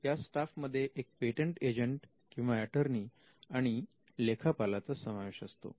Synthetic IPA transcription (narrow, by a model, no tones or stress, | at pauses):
jasʈafməd̪ʱːjeʔek̚peʈəɳʈed͡ʑəɳʈ | kĩw̃ʋaɛʈəɾniː | aɽ̃i | lekʰapalat͡səsəmaʋeɕə̰st̪o̰